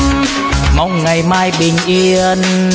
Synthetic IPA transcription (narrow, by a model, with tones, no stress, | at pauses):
ma˨˩wŋ͡mŋa˨˩jmaː˧jɓï˨˩ŋ̟ʔi˧n